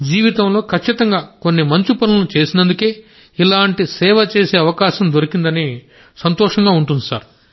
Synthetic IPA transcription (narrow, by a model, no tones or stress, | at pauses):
d͡ʒiːʋit̪ɐmlo̞ːkʰɐt͡ʃːit̪ɐŋɡaːko̞nːimɐɲt͡ʃipɐnɐnut͡ʃe̞ːsinɐnd̪uke̞ː | ilaːɳʈisɛːʋɐt͡ʃe̞ːse̞ːɐʋɐkaːʃɐmd̪o̞ɾikind̪ɐni | sɐnt̪ɔːʂɐŋɡaːuɳʈund̪isa̰ːɾ